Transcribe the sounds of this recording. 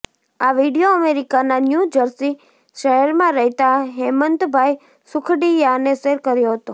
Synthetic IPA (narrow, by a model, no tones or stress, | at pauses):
aʋiɖijoəmeɾikananjud͡ʒəɾsi | ʃəɾmãɾəɦit̪aɦemənt̪bʱaj | sʊkʰɽijaneseɾkəɾjoɦət̪o